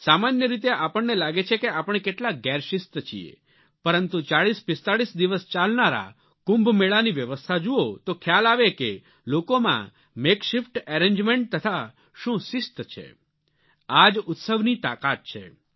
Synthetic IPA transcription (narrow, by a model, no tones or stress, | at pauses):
samanjəɾit̪̬eʔapəɳːelaɡet͡ʃʰekeapəɳ̃ekeʈlaɡɛɾʃɪst̪ət͡ʃʰḭḛ | pəɾənt̪ũt͡ʃaɭispɪst̪aɭisd̪iʋəst͡ʃalnaɾa̰ | kũmbʱmeɭaniʋjəʋəst̪ʰad͡ʒuot̪okʰjalaʋeke | lokomã̰ | mekʃɪfʈɛɾẽɲd͡ʒmeɳʈ̚t̪ət̪ʰa | ʃũʃɪst̪ət͡ʃʰḛ | ad͡ʒʊt̪səʋnit̪akat̪̚t͡ʃʰḛ